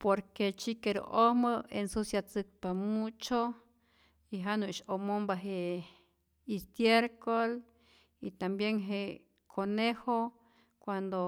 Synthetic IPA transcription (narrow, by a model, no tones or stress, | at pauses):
poɾket͡ʃikeɾo̰ʔoməensusjat͡sɨk̚pamut͡ʃo | iɦanuʃomombaɦe | ist̪jeɾkol | it̪ambjeŋɦe | kʰoneho | kwand̪o